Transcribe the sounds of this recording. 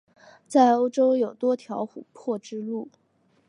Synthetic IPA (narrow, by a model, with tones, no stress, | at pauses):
t͡sa˥˩ɪo˥ʊʈ͡ʂo˥ʊjo˨˩ʊt̪wɔ˥t̪ʰjɑ˧˥ʊxṵ˨˩pʰɔ˥˩ʈ͡ʂɻ̩˥lu˥˩